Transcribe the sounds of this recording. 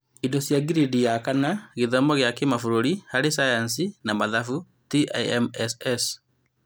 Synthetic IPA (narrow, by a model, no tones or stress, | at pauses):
idɔsjaɡiɾidijakanaɣeðɔmɔɣjakemafuɾoɾihaɾesajans̬inamaðafu | tia̰iɛmɛsɛs